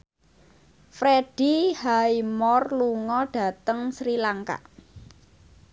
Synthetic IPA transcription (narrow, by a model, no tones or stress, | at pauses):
fɾeɖ̥ihaimɔrluŋɔɖ̥a̤t̪əŋsɾilaŋka̰ʔ